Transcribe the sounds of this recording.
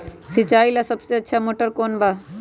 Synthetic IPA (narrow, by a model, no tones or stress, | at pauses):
sɪt͡ʃaːilasəbseətːʃʰamoːʈəɾkoːnba